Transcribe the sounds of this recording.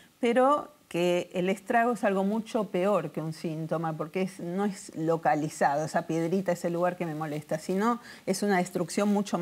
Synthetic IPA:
peɾo̞keːlest̪ɾaɣ̞oesalɣ̞o̞mut͡ʃo̞peo̞ɾkeunsint̪o̞mapo̞ɾkeesno̞eslo̞kalisaðo̞esapje̞ð̞ɾit̪aeselːuɣaɾke̞me̞mo̞le̞st̪asino̞ | esunaðest̪ɾuksjo̞nmut͡ʃo

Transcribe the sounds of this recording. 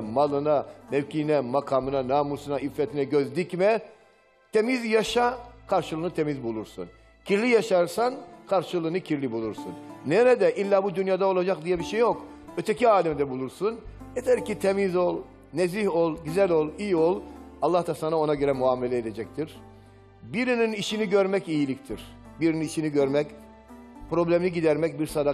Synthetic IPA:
malˠɯnamevcʰinɛmakʰaːmɯnanaːmusunaifːɛt̪ʰinɛɟøzd̪icmɛ | t̪ʰe̞mizjaʃakʰaɾʃɯlˠɯːnɯt̪ʰe̞mizbulˠuɾsṵn | cʰiɾlʲijaʃaɾsankʰaɾʃɯlˠɯːnɯcʰiɾlʲibulˠuɾsṵnːeɾɛd̪ɛʔilʲːaːbud̪ynjaːd̪ao̞lˠad͡ʒak̚d̪ijɛbiʃejːok | øt̪ʰeciaːlʲɛmd̪ɛbulˠuɾsunet̪ʰɛɾcit̪ʰemizolˠ | neziho̞lˠɟyzælʲolˠijiolˠalˠːaht̪ʰasanao̞naɟø̞ɾɛmuaːmelʲɛed̪ed͡ʒɛc̚t̪ʰiɾ̥ | biɾininiʃiniɟø̞ɾmɛcijilʲict̪ʰiɾ̥ | biɾininiʃiniɟø̞ɾmɛc | pɾo̞blʲæminiɟid̪æɾmɛcbiɾsad̪a

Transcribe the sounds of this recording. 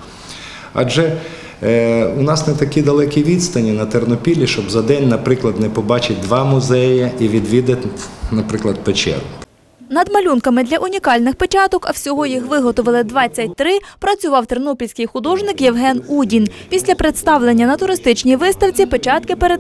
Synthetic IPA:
ɐ̰d͡ʒɛ | ʊnɑsnɛt̪ɐkʲid̪ɐlˠɛkʲiʋʲid̪st̪ɐnʲinɐt̪ernɔpʲilʲiʃt͡ʃɔbzɐd̪ɛnʲnɐpɾɪklˠɐd̪nɛpɔbɑt͡ʃɪt̪̚ʲd̪ʋɑmʊzɛjɐiʋʲid̪ʋʲid̪ɐtʲnɐpɾɪklˠɐd̪̚pet͡ʃɛ̰d̪nk | nɐd̪mɐlʲunkɐmɪd̪lʲɐʔʊnʲikɑlʲnɪxpet͡ʃɑt̪ɔkɐwsʲɔɦɔjixʋɪɦɔt̪ɔʋɐlˠɪd̪ʋɑt͡sʲːɐt̚ʲt̪ɾɪpɾɐt͡sʲʊʋɑwt̪ernɔpʲilʲsʲkɪjxʊd̪ɔʒnɪkjewɦɛnudʲinpʲisʲlʲɐpɾet̪st̪ɑwlˠenʲːɐnɐt̪ʊɾɪst̪ɪt͡ʃnʲiʋɪst̪ɐwt͡sʲipet͡ʃɑt̪kɪpeɾed̪

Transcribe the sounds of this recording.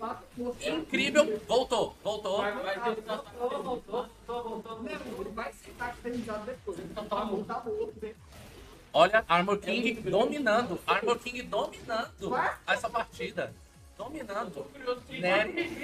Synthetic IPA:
kat̪ʊposĩkɾivewvowt̪ovowt̪ovajezãɐõot̪ot̪ovowt̪ɐ̃ẽvajset̪akt̪ẽnizad̪ʊd̪epojzẽt̪ɐ̃w̃t̪ãmõt̪abot̪dẽ | ɔʎɐaɾmoɾkĩɡɪd̪ominɐ̃nd̪ʊaɾmoɾkĩŋɡɪd̪ominɐ̃d̪ʊɛsɐpaɾt͡ʃid̪ɐ | d̪̥ominɐ̃d̪ʊnɛ

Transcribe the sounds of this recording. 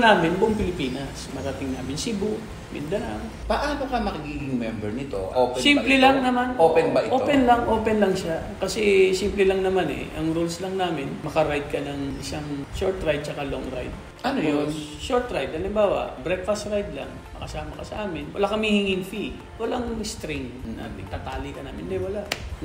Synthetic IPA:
naːmɪnboŋpɪlɪpiːnɐsmɐɾɐt̪ɪŋnaːmɪnsɪbo | mɪ̰nd̪ɐɾa̰ŋ | pɐʔaːnokɐmɐkɐɡiːɡɪŋmɛmbɛɹnɪt̪o̰ʔopɛsimplɛlɐŋnɐmanopɛnbɐʔɪoːpɛnlɐŋʔoːpɛnlɐŋʃa | kɐsɛsimplɛlɐŋnɐmanɛ̰ʔɐŋɾulslɐŋnaːmɪnmɐkɐɾajd̪̚kɐnɐŋʔɪsaŋʃoɹt̪ɾajd̪̚t͡ʃɐkaloŋɾa̰jd̪̚ | ʔɐnojonʃoɹt̪ɾajd̪̚hɐlɪmbaːwɐ̰ʔbɾɛk̪̚fast̪ɾajd̪lɐ̰ŋ | mɐkɐsaːmɐkɐsɐʔaːmɪnwɐ̰lakɐmihɪŋɪŋfi | wɐlaŋst̪ɾɪŋna̰ːmɪt̪aːt̪aːlɪkɐnaːmɪnd̪ɛwɐlaʔ

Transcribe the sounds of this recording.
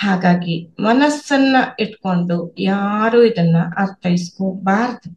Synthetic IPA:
haːɡaːɡimɐnɐsːɐnːɐiʈko̞ɳɖujaːɾuːid̪ɐnːuʔɐɾt̪ʰɐjiskoːbaːɾd̪u

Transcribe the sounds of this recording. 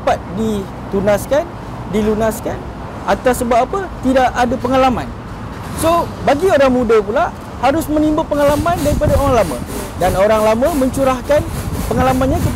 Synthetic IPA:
pat̪̚di | t̪unaskan | dilunaskan | at̪asːəbap̚apət̪idaʔadapəŋalamã̰n | sobaɡioɾaŋmũdapula | haɾʊsmə̃nimbapəŋalamãndaɾipadaoɾaŋlamã̰danoɾaŋlamə̃mə̃ɲt͡ʃuɾahkanpəŋalamãnɲakit̪

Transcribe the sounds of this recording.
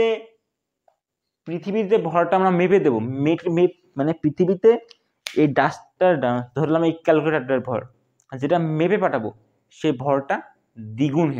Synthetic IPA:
e | pɾit̪ʰibit̪ebʱɔɾʈaamɾameped̪ebomeme | manepɾit̪ʰibit̪e | eɖãsʈaɾɖansd̪ʱoɾelamejkɛlkeʈaɾeɾbʱɔ̰ɾ | d͡ʑeʈamepepaʈʰabo | ʃebʱɔɾʈa | d̪iɡunɦe

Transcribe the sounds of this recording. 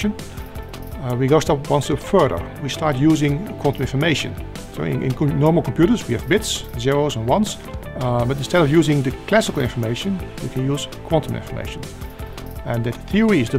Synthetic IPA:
ə̃n | wiɡoʊstʌpwʌ̃nsəfɜ˞ðə̰˞wistɑɹtjuːzɪ̃ŋkʰw̥ɑ̃ntə̃mɪ̃nfə˞meɪʃɨ̰̃nso̰ʊɪ̰̃ʔɪ̰̃nnɔɹml̩ˠkʰɔ̃m̩pʰjuɾə˞zwiɨvbɪtszɪɹoʊzə̃nwʌ̃ns | bʌtɪ̃nstɛɾʌvjuːzɪ̃ŋðɨkʰl̥æsɪkl̩ˠɪ̰̃nfə˞meɪʃə̃nwḭkʰɨ̃njuːz̥kʰw̥ɑ̃ntə̃mɪ̰̃nfə˞mḛɪʃə̃n | ɨ̃nðɨtθiəɹiɪzðə

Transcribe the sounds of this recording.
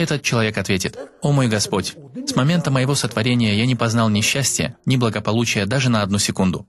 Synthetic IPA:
ɛt̪ət̪̚t͡ɕɪlˠɐvʲe̞kɐt̪vʲetʲɪt̪o̞mo̞jɡɐspo̞tʲsmɐmʲe̞nt̪əməjɪvo̞sət̪vɐɾʲenʲɪjəjanʲɪpɐznɑlˠnʲɪɕːæsʲtʲɪjə̰nʲɪblˠəɡəpɐlˠut͡ɕɪjəd̪aʐɨnəɐd̪nusʲɪkund̪ʊ

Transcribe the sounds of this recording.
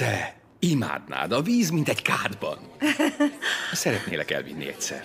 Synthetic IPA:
d̪̥ɛ | ima̰ːd̪na̰ːd̪ɒviːzmint̪ɛɟkaːd̪bɒn | sɛɾɛt̪nḛːlɛkɛ̰lvḭnːḭɛcʲsɛ̰r

